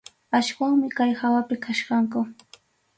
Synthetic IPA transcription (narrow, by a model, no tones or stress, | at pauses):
aʃwaŋmɪkajhawapɪkʰaʃɢɑŋkʊ